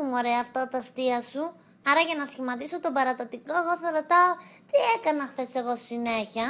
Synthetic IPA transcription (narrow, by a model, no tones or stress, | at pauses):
muoɾeɐːft̪ɐot̪ɐst̪iɐsu | ɐɾɐʝɐnɐsçimɐt̪iso̞t̪o̞bɐɾɐt̪ɐt̪iko̞eɣo̞θɐɾo̞t̪ɐot̪ie̞kɐnɐxθe̞se̞ɣo̞ssine̞çɐ